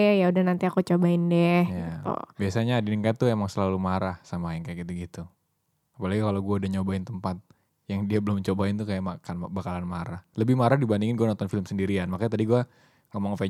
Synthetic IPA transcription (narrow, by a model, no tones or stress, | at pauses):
jaudahnant̪iakut͡ʃobaɪndɛhjɡaḭt̪ṵbiasaɲaːdiniŋkajat̪uemaŋsəlalumaɾahsamaiŋkajakit̪uɡit̪u | apalaɡikalaɡuaudaɲobaɪnt̪əmpat̪̚ | jaŋdiabəlʊmt͡ʃobaɪnt̪ukajaʔmakanbakalanmaɾahləbɪhmaɾahdibandiŋɪnɡuanɔnt̪ɔnfɪləmsəndiɾianmakaɲt̪adiɡua | ŋamaŋfɛ